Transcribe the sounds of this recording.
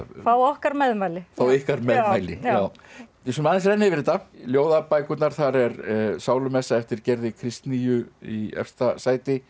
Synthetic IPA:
θawɔhkaɾmɛðmajlɪθawɪhkaɾmɛðmajlɪaw | s̬ɔmaðnsrɛnːɪvɪɾɪt̪ːaljoːwðapaːjkʏt̪naɾ̥θaɾɛɾsaːwlʏmɛsːaɛft̪ɪɾ̥cɛɾðɪkʰɾɪst̪niːjʏiɛ̰fst̪asaːjt̪ɪ

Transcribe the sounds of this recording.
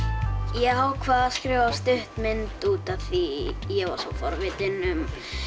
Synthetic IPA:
jɛɣɦawkʰvaːðaskɾɪːvast̪ʏht̪mɪnt̪uːt̪aθijɛɣva̰ɾ̥sɔwfɔ̰ɾvɪt̪ɪnʏm

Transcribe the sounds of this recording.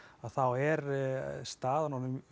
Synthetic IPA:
aðθawɛɾst̪aːðanɔnʏm

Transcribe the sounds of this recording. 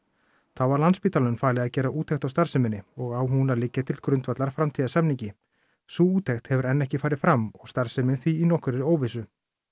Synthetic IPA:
θavaɾlanspiːt̪alʏnfaːlɪɣaðcɛːɾaʔuːt̪ʰɛxt̪awst̪aɾ̥sɪmɪnɪɔɣawɦunalɪcːat̪ʰɪlkɾʏnt̪vat̪laɾ̥fɾamt̪ʰiːðasɛmniɲcɪ | suːuːt̪ʰɛxt̪hɛvʏɾɛnːɛhcɪfaːɾɪ̥fɾamːɔɣst̪aɾ̥sɪmɪnθiːnɔhkʏɾɛɾoːwvɪsʏ

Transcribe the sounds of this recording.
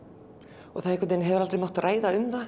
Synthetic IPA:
ɔɣθaðɛkvat̪enɦɛvʏɾalt̪ɾejmawht̪raːjðaʏmða

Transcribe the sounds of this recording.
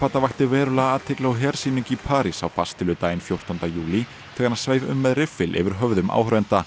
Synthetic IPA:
aːt̪avaht̪ɪvɛːɾʏlaːðt̪ʰɪklawɦɛɾ̥siːnʏcipʰaːɾisawfast̪ɪlʏt̪aːjɪnfjowr̥t̪ɔnt̪ajuːli | t̪ʰɛːɣanaðsveːjvʏ̰mːɛðrɪfɪlʔɛ̰vɪɾ̥ɦœvðʏmʔa̰ːwhɾɛnt̪a

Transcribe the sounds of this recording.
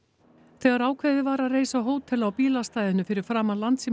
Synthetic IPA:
θɛːɣaɾaːwkʰvejðɪvaːɾaðreːjsaɦoːwt̪ʰɛlawpiːlast̪aːjðʏnʏfɪɾɪɾ̥fɾaːmalant̪si

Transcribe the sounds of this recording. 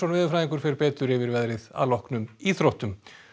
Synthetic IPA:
ɔnvɪːðʏfɾaːjiŋkʏɾ̥fɪɾpɛːt̪ʏɾɪvɪɾvɛðɾɪða̰lɔhknʏmiθɾɔht̪ʏm

